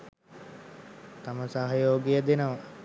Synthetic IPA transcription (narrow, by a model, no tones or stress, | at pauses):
t̪aməsaɦajoːɡijəd̪enəʋa